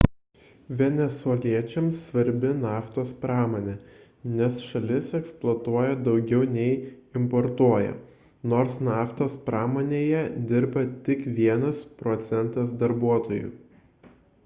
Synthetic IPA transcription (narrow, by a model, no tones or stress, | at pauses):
ʋʲɛnʲɛsɔlʲiɛt͡ʃʲɛmsːʋɐɾʲbʲɪnɑːft̪oːspɾɑːmoːnʲeː | nʲɛsʃɐlʲɪsɛksplˠoːt̪uɔjɛd̪ɒʊɡʲɛʊnʲɛɪɪmpɔɾt̪uɔjɛ̰ | noːɾsnɑːft̪oːspɾɑːmoːnʲeːjɛd̪ʲɪɾbɐt̪ʲɪkʋʲiɛnɐspɾɔt̪sʲɛnt̪ɐsd̪ɐɾbuɔt̪oːjʊ̰